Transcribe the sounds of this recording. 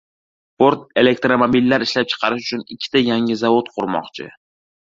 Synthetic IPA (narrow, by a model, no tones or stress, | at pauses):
spʰoɾt̪̚e̞le̞k̚t̪ɾomobilːaɾɪʃlap̚t͡ʃʰɨ̥qʰɑɾɪʃʊt͡ʃʰʊnɪkʲʰːɪ̥t̪ʰajaŋɪzavot̪qʰʊɾmɒ̰qt͡ʃʰɪ̰